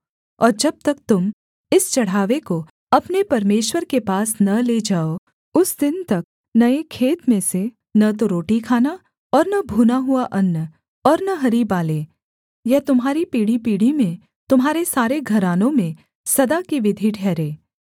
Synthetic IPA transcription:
ɔ̰ːɾd͡ʒɐb̚t̪ɐk̚t̪ʊm | ɪst͡ʃɐɽ̤aːʋeko | ɐpnepɐɾmeːʃwəɾkepaːsnɐleːd͡ʒaːo | ʊsd̪ɪnt̪ɐk̚ | nɐekʰeːt̪mẽse | nɐt̪̬oɾoːʈikʰaːna | ɔːɾnɐbʱuːnaɦʊaʔɐnːə | ɔːɾnɐɦɐɾibaːleː | jɐɦt̪ʊmɦaːɾipiːɽ̤ipiːɽimẽ | t̪ʊmɦaːɾesaːɾeɡʱɐɾaːnõmẽ | sɐd̪akiʋɪd̪ʱiʈʰɛːɾeː

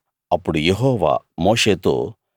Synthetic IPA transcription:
ɐpːuɽujeɦoːʋa̰moːʂeːt̪o̰ː

